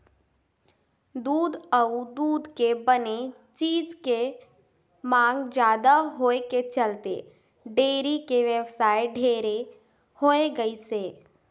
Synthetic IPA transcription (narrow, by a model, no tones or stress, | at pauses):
d̪uːd̪əʊd̪uːd̪kebəne | t͡ʃiːd͡ʒke | mãːŋɡd͡ʒjaːd̪aɦoːeket͡ʃɐlt̪ḛ | ɖeːɾikeʋəwsaːɪɖʱeːɾe | hoːeɡəiseː